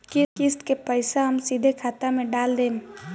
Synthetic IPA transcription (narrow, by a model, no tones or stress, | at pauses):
kɪkɪsʈ̪kepəɪsaɦɐmsid̪ʱekʰaːt̪amẽɖaːld̪eː